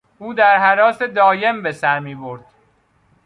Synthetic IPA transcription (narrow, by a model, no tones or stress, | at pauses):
ʔuːd̪æɾɦæɾɒːse̞d̪ɒːje̞mbe̞sæɾmiːboɾd̪̥